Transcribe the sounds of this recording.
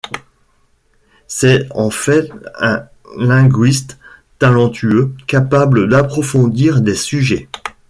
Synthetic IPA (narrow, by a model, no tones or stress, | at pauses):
sɛɑ̃fɛt̪ɛ̃ | lɛ̃ɡɥist̪ | t̪alɑ̃t̪ʰyøkapabləd̪apχɔfɔ̃d̪iʁd̪esyʒɛ